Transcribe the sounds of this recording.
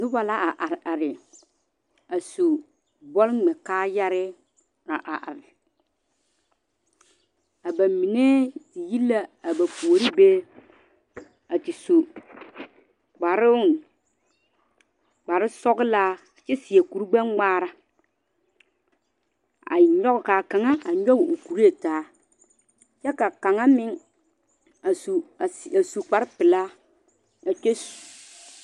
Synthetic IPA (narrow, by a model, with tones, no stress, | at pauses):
nɪ˦wa˨la˦ʔa˨ʔa˨ɾa˨ɾɪ˨ | a˨so˨ | bɔ˦lŋ͡mɛ˨kaː˦ja˦ɾɪ˦ | ɾa˨ʔa˨ʔa˨ɾɪ˨ | a˨ba˨mi˨ne˦ti˨ji˦lːa˦a˨ba˨pu˨o˨ɾi˦beː˦ | a˨ti˨so˨ | ɡ͡ba˨ɾɪ˦ʊ˦˨n | k͡pa˨ɾɪ˦sɔ˦ɡɪ˦laː˦˨ | t͡ʃɛ˦sɪ˨e˨ku˨ɾu˦ɡ͡bɛ˦ŋŋ͡maː˦ɾa˦ | a̰˨ɲɔ˦ɣka˨ka˨ŋa˦a˨ɲɔ˦ɣu˨ku˨ɾi˦e˦˨taː˨˦ | t͡ʃɛ˦ka˨ka˨ŋa˦mɪ˦ŋ | a˨su˨a˨su˨k͡pa˨ɾɪ˦pɪ˨la˦ | a˨t͡ʃe˦su̥˨